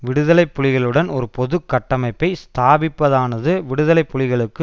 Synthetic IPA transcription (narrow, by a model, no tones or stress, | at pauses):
ʋɪɽɯðɐlɐɪpːʊɻɪɣɐɭɯɽɐnɔɾɯpɔðɯkːɐʈːɐmɐɪpːɐɪst̪aːbɪpːɐðaːnɐðɯʋɪɽɯðɐlɐɪpːʊɻɪɣɐɭɯkːɯ